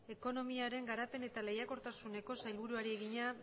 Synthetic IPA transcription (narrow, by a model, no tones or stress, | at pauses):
e̞ko̞no̞miaɾe̞ŋɡaɾape̞ne̞t̪ale̞jako̞ɾt̪asune̞ko̞sajlβuɾuaɾie̞ɣ̞iɲa